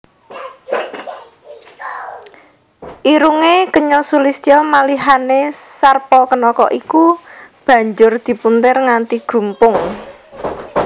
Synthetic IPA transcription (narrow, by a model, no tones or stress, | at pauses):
ʔiɾuŋekəɲɔsulist̪iɔmaliɦanesarpɔkənɔkɔ̰ʔikub̥ä̤ɲd͡ʒʊrd̪̥i̤punt̪ərŋant̪iɡ̥ɾṳmpʊŋ